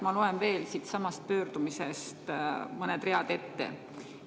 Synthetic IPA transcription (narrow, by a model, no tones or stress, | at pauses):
mɑloe̞nve̞ːlsiːt̪sɑmɑst̪̚pø̞ːrd̪umisest̪mɤned̪reɑd̪e̞t̪ːḛ